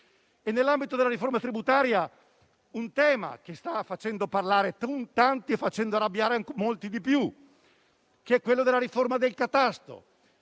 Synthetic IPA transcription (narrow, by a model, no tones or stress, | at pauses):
ɛnːelːambit̪od̪elːaɾiformat̪ɾibut̪aːɾja | unt̪ɛːma̰k̟est̪afːat͡ʃɛnd̪oparlaːɾet̪unt̪ant̪iefːat͡ʃɛnd̪oarabːjaːɾeaŋkmolt̪id̪ipju | keɛkwelːod̪elːaɾiformad̪elkat̪ast̪o̰